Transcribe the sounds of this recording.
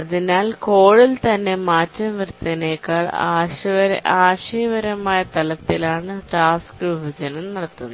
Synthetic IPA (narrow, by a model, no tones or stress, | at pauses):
ɐðinaːlko̞ːɻilt̪ɐnːe̞maːtːɐmʋrt̪ːɐneːkːaːɭa̰ːɕʋɐɾ̰aːɕiːʋɐɾɐmaːjɐt̪ɐlɐt̪ːilaːɳɨʈaːskɨʋibʱɐd͡ʑɐnɐmnɐɽɐt̪ːunːɐ